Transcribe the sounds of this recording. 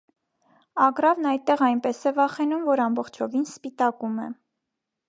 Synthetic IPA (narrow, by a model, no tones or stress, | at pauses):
ɑɡɾɑvnɑj̪̚t̪ːɛʁɑjnpɛsɛvɑχɛnumvɔɾɑmbɔχt͡ʃʰɔvinspit̪ɑkumɛ̰